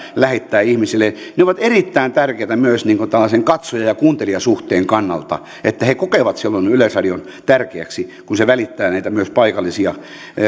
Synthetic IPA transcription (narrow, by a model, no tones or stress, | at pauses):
læhet̪ːæːihmisilːeneoʋɑt̪erit̪ːæint̪ærkeːt̪æmyøsniːŋkot̪ælːɑseŋkɑt̪sojɑjɑkuːnt̪eliɑsuht̪eːŋkɑnːɑ̰lt̪ɑ̰ | et̪ːæhekokeʋɑt̪silːonylesɑdion | t̪ærkeæksikunseʋælit̪ːæːnæit̪æmyøspɑikɑlːisiɑ